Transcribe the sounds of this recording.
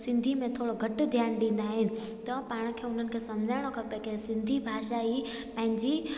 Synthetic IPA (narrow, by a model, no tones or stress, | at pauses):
sɪ̃nd̪ʱimẽt̪ʰoːɽoɡʱɐʈd̪ʱjaːnɗĩːn̆d̪aːɦɪnɪ̆ | t̪ɐpaːɽ̃ə̆kʰeːʊn̤ənɪ̆kʰeːsɐmd͡ʑʱaːɪɽ̃okɐpekʰesɪ̃nd̪ʱibʱaːʃai | pɐ̃ɦɪ̃ɲd͡ʑi